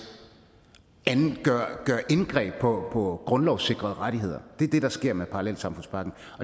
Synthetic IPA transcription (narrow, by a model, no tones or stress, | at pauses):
ɐɡ̥ɶɐ̰ʔenɡ̥ʁɛ̰ːb̥̚pʰɒ̽pʰɒ̽ɡ̥ʁɔ̽nlɒʊse̝ɡ̥ʁɐð̩ˠʁɑ̈ɾ̥iɦe̝ð̞̰ˠɐd̥e̝ɐd̥e̝ɾ̥ɑ̈sɡ̥e̝ɐ̰mepʰɑ̈ɑlel̰d̥sɑ̈mfɔ̽n̰spʰɑ̈ɡ̥n̩ | ɒ̽